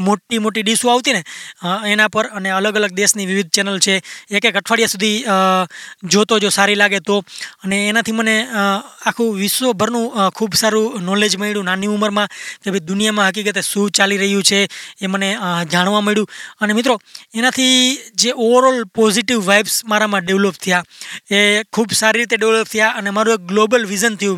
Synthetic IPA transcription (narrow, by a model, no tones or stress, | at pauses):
moʈimoʈiɗisũaʋt̪ineenãpəɾəneələɡələɡ̚d̪esniʋɪʋɪd̪̚ʱt͡ʃɛnəlt͡ʃʰeːkeɡʱəʈʰʋaɽjasud̪ʱi | d͡ʒot̪od͡ʒosaɾilaɡet̪oəneːnat̪ʰiməneakʰũʋɪʃʋobʱəɾnũkʰubsaɾũnɔled͡ʒməiɽjũnaniuməɾmãkebʱid̪ʊnijamãɦək̬ikət̪esut͡ʃaliɾəɦijũt͡ʃʰeːməned͡ʒaɽ̃ʋãməɭjũənemɪt̪ɾoenat̪ʰid͡ʒeʔoʋəɾɔlpɔziʈiʋːajbsmaɾamãɖeʋlop̚t̪ʰəjaekʰuːbsaɾiɾit̪eɖeʋlop̚t̪ʰəjaʔənemaɾũek̚ɡlobəlʋizənt̪ʰəjũ